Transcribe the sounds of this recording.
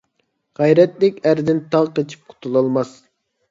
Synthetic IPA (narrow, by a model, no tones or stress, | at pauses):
ʁæjɾɛt̪lɪkʲæɾd̪ɪnt̪ʰɑʁqet͡ʃʰi̥p̚qʰʊ̥t̪ʰulˠɑlˠmɑs